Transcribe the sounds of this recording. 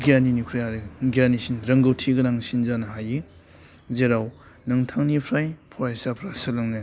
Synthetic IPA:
ɡianinukʰɾijaɾeɡjanisinɾɐŋɡɐwtʰiɡɐɾaŋsinzanɐɦaji | zeɾaw | nɐŋtʰaŋnipʰɾajpʰɔɾajsapʰɾasɐlɐŋne

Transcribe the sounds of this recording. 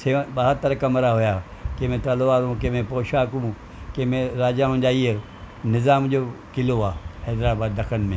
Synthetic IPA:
sebaːɦət̪t̪ːəɾəkɐmɾaɦoja | kemẽt̪alʋaːɾũkemẽpoːʃaːkũː | kemẽɾaːd͡ʒaɦʊ̃d͡ʒaːie | nɪzaːmd͡ʒoːkɪloaːhɛːd̪ɾaːbaːd̪ːɐkʰənmẽ

